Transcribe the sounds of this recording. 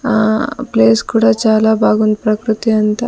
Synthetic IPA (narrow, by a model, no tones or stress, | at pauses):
apleːskuːɽaːt͡ʃaːlaːbʱaːɡund̪ipɾɐkɾut̪iɐnt̪a